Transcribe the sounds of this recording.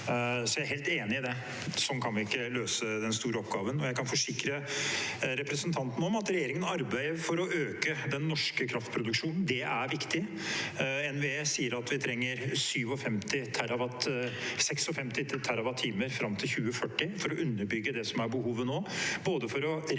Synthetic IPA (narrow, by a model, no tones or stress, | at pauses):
sɔjæɪæɾɦeːlt̪eːnɪɪd̪ɛ | sɔnkʰɑnʋɪɪkːəløːsəd̪ɛnst̪uːɾəɔpɡɑːʋənɔjæɪkʰɑnfɔʂɪkɾə | ɾɛpɾəsənt̪ʰɑnt̪n̩ɔmɑt̪ɾɛjeːɾɪŋənɑɾbæɪəɾfɔɾɔʔøːkəd̪ɛnːɔʂkəkʰɾɑft̪pʰɾʊd̪ʉkʂuːnn̩d̪ɛʔæɾʋɪkt̪ɪ | ɛnʋɛeːsiːəɾɑt̪ʋɪt̪ʰɾɛŋːəɾsyːʋɔfɛmt̪ɪt̪ʰæɾɑʋɑt̪sɛksɔfɛmt̪ɪɪt̪ʰæɾɑʋɑt̪ʰːiːməɾfɾɑmt̪ʰɪlçʉːəfœʈːɪfɔɾɔʔʉnːəɾbʏɡːəd̪ɛsɔmæɾbəɦuːʋənoːboːd̪əfɔɾɔ